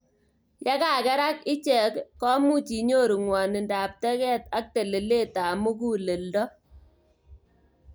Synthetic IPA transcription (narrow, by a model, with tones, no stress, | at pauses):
ja˦ka˨kɛ˦ɾa˦kɪ˦t͡ʃɛ˨kːɔ˦mu˦˨t͡ʃi˨ɲo˦˨ɾu˨ŋwa˨nɪ˨nda˨p̚tɛ˦kɛ˦˨ta˦k̚te˨le˨le˦˨ta˨mu˦k̬u˦le˨ldɔ˦